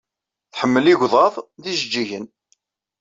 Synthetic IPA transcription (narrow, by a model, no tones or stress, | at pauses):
θħəmːəliʝʷðˤɑðˤðiʒd͡ʒːiʝən